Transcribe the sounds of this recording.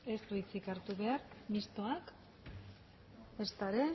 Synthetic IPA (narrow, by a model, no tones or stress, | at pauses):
e̞st̪uit͡sikaɾt̪uβe̞aɾmist̪o̞ak | est̪aɾe̞